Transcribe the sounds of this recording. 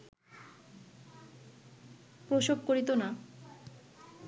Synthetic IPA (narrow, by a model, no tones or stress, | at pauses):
pɾoʃobkoɾit̪ona